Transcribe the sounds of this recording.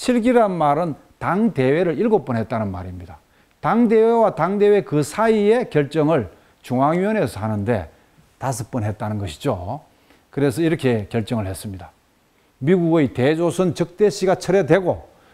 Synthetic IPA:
ɕʰiɭɡiɾanmaɾɯn | taŋde̞we̞ɾɯɭiɭɡop͈ʌnɦe̞t̚t͈anɯnma̰ɾimɲida | taŋde̞we̞wataŋde̞we̞kɯsʰaiekjʌɭt͡ɕ͈ʌŋɯɭ | t͡ɕuŋaŋiʌne̞sʰanɯnde̞̰ | tas̬ʰɯp͈ʌnɦe̞t̚t͈anɯnɡʌɕʰi̥d͡ʑo | kɯɾe̞sʰʌiɾʌkʰe̞kjʌɭt͡ɕ͈ʌŋɯɭhe̞s͈ɯmɲida | miɡuɡɯite̞d͡ʑosʰɯnt͡ɕɯk̚t͈e̞ɕʰiɡat͡ɕʰʌɾe̞dwe̞ɡo

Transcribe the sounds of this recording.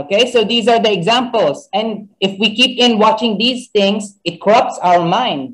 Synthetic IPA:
okeɪsoʊd̪iːzaɹd̪əɛɡzæ̃mpəlˠsɛ̃nɪfwikiːpɪ̃nwɑt͡ʃɪ̃ŋd̪iːsθɪ̃ŋsɪt̪̚kʰɔɹʌp̚tsawəɹmãɪ̃nd̪̚

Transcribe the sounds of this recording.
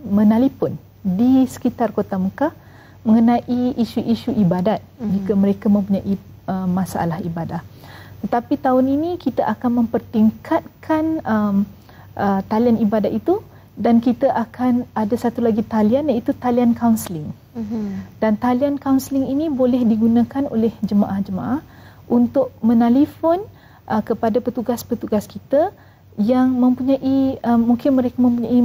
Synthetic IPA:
mə̃nalipʊn | disə̥kit̪arkot̪amuka | mə̃ŋənãʔiiʃuʔiʃuʔibadat̪̚d͡ʒikkəməɾekamə̃mpuɲaʔi | əmasaʔa̰lahibadaht̪ət̪apit̪aʊninĩkit̪əʔakanmə̃mpərt̪iŋkʰat̪̚kʰanəm | ʔət̪alianibadat̪̚it̪u | dankit̪əʔakʰanadasat̪ulaɡit̪alianjait̪ut̪aliankawnslɪŋ | d̥ant̪aliankawnsəlɪŋinĩbolɛhdiɡunãkano̰lɛhd͡ʒəma̰ʔahd͡ʒəmã̰ʔah | ʔunt̪ʊʔmə̃nalifon | ʔəkəpadapət̪uɡaspət̪uɡaskit̪ə | jaŋmə̃mpuɲãʔiəːuŋkɪnmə̃ɾekamə̃mpuɲãi

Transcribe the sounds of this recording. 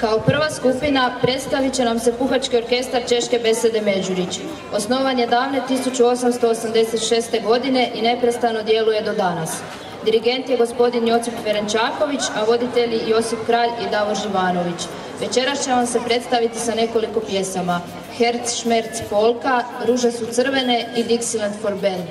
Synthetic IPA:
kaopr̩ʋaskupinapɾe̞t̪st̪aʋit͡ɕe̞namse̞puxat͡ʃkio̞ɾke̞st̪aɾt͡ʃe̞ʃke̞be̞se̞d̪e̞me̞d͡ʒuɾit͡ɕ | o̞sno̞ʋanje̞d̪aːʋne̞t̪isut͡ɕuo̞samst̪o̞ːsamd̪e̞se̞t̪ʃe̞ːst̪e̞ɡo̞d̪ine̞ʔine̞pɾest̪ano̞d̪je̞luje̞d̪o̞d̪anas | d̪iɾiɡe̞nt̪je̞ɡo̞spo̞d̪injo̞t̪sipʋeɾent͡ʃaːko̞ʋit͡ɕaʋo̞d̪it̪e̞ʎijo̞sifkɾaːʎid̪aʋo̞ɾʒiʋaːno̞ʋit͡ɕ | ʋe̞t͡ɕe̞ɾast͡ɕe̞ʋamse̞pɾe̞t̪st̪aʋit̪isane̞ko̞liko̞pje̞sama | xe̞ɾt̪sʃme̞ɾt̪sfo̞lˠkaɾuʒesut̪sɨr̩ʋe̞neid̪iksilant̪fo̞ɾbe̞n

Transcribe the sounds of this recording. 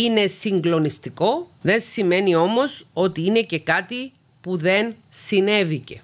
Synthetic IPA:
ine̞siŋɡlo̞nist̪iko̞ðe̞nsime̞nio̞mo̞so̞t̪iine̞ce̞kɐt̪i | puðe̞nsine̞vice̞

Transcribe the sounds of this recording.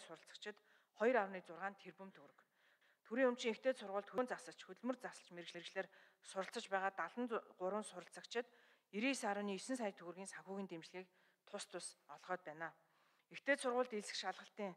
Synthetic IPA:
sʊɾə̆ɬt͡sə̥̆kt͡ɕʰɪ̆t̪ | χɔjrawniːt͡sʊrʁaːnt̪ʰerpɵ̆mt̪ʰɵɾɵ̆k | t̪ʰɵɾiːŋɵm̥t͡ɕĭŋext̪ʰeːt̪sʊrʁʊːɮt̪xɵnt͡sasə̆t͡ɕxɵt̪̆ɮmɵ̆rt͡sasə̆ɬt͡ɕmeɾɣt͡ɕɮeɾɣt͡ɕɮeːr | sʊɾə̆ɬt͡sə̆t͡ɕpæːʁaːt̪aɮə̆nɢʊɾwə̆nsʊɾə̆ɬt͡sə̆kt͡ɕʰɪ̆t̪ | iɾiːsaɾʊːniːisɘ̆nsaːj̆t̪ʰɵɣ̆rɣiːnsaŋxʲuːɣiːnt̪emt͡ɕɮɣʲiːk̚ | t̪ʰʊst̪ʰʊsɔɮʁœːt̪̚pæːnaː | ext̪ʰeːt̪sʊrʁʊːɮt̪eɮsɘ̆kʃaɮʁə̆ɬt̪iːŋ

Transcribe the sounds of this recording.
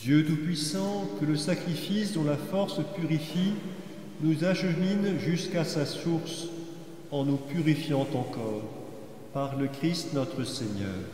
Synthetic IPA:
d̪jøt̪upɥisɑ̃kələsakχifisd̪ɔ̃lafɔʁspyʁifi | nuzaʃəminʒyskasasuʁs | ɑ̃nupyʁifjɑ̃t̪ɑ̃kɔːʁ | paʁləkχist̪nɔt̪χəseɲœ̰ːʁ

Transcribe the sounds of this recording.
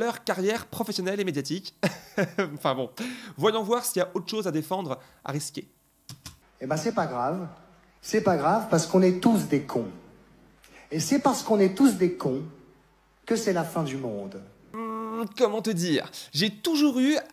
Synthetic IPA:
lœʁkaʁjɛʁpχɔfɛsjɔnɛlemed̪jat̪ik | ɑ̃fɛ̃bɔ̃vwajɔ̃vwaʁsiljaʔot̪χə̥ʃozad̪efɑ̃d̪ʁ | a̰ʁiskʲḛ | ebɛ̃sɛpaɡʁav | sɛpaɡʁavpaʁsə̥kɔ̃nɛt̪us̬d̪ekʰɔ̃ | esɛpaʁsə̥kɔ̃nɛt̪us̬d̪ekʰɔ̃ | kəsɛlafɛ̃d̪ymɔ̃d̪ | kɔmɑ̃t̪əd̪iːʁʒet̪uʒuʁy

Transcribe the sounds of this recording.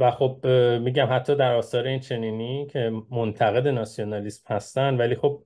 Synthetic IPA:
væxo̞b̚miːɟæmhæt̪ʰːɒːd̪æɾɒːsɒːɾeint͡ʃʰe̞niːnicʰe̞mo̞nt̪ʰæɣe̞d̪e̞nɒsijo̞nɒːliːsmhæst̪ænd̪væliːxo̞b̚

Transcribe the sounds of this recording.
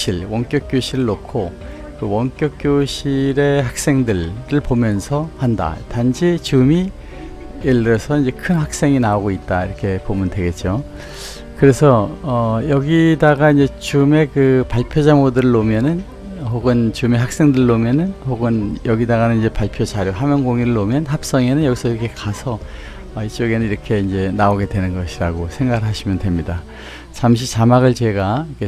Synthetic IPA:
iɭwʌŋk͈jʌk͈joɕʰiɾɯɭnokʰo | kɯwʌŋk͈jʌk͈̚joɕʰiɾe̞hak̚s͈e̞ŋdɯɭɾɯɭpomjʌnsʰʌhanda̰tanɕʰit͡ɕumi | iɭːɯɾʌsʰʌind͡ʑe̞kʰɯnɦak̚s͈e̞ŋinaoɡoit̚t͈aiɾʌkʰe̞pomɯndwe̞ɡe̞t̚t͡ɕ͈o | kɯɾe̞sʰʌʌjʌɡidaɡaind͡ʑe̞t͡ɕume̞kɯpaɭpʰjod͡ʑamodɯɾɯɭːomjʌnɯn | ɦoɡɯnt͡ɕume̞ɦak̚s͈e̞ŋdɯɾɯɭːomjʌnɯnhoɡɯnjʌɡidaɣanɯnid͡ʑe̞paɭpʰjot͡ɕaɾjoɦamjʌŋɡoŋiɾɯɭːomjʌnɦap̚s͈ʌŋe̞nɯnjʌɡisʰʌiɾʌkʰe̞kasʰʌ | ʌit͡ɕ͈oɡe̞nɯniɾʌkʰe̞ind͡ʑe̞naoɡe̞dwe̞nɯnɡʌɕʰiɾaɡosʰe̞ŋɡaɡɯɭɦaɕʰimjʌndwe̞mɲida | t͡ɕamɕ̬ʰit͡ɕamaɡɯɭt͡ɕe̞ɡaikʰe

